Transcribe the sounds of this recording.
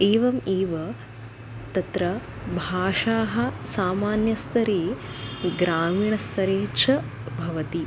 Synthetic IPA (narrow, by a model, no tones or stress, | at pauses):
eːʋɐmiːʋɐ | t̪ɐt̪ɾɐ | bʱaːʂaːɦɐ̆saːmaːnjɐst̪ʰɐɾiːɡɾaːmiːɳɐst̪ʰɐɾeːt͡ʃʰɐ | bʱɐʋɐt̪i